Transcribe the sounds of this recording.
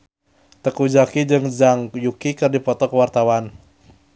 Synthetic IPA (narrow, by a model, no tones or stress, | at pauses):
t̪əkud͡ʒakid͡ʒɨŋzaŋjukikɨrdipɔt̪ɔkəwart̪awan